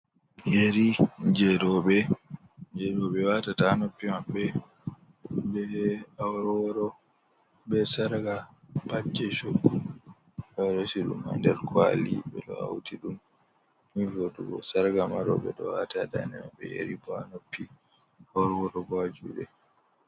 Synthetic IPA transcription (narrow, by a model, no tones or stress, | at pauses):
jeɾid͡ʒɛdɔɓɛ | d͡ʒɛɗɔɓɛwatatanopːimaɓːɛ | bɛawɾɔɾɔ | ɓɛsaɾɡabad͡ʒɛʃoɡːu | aɾasiɗṵma̰ndɛɾkwa̰liɓɛlɔ̰a̰wtiɗum | mivoduɡɔsaɾɡamaɾɔ̰ɓɛ̰ɗɔwa̰tadanɛmaɓːɛ̰jḛɾibanopːi | awɾwɔɾɔbad͡ʒṵɓɛ̰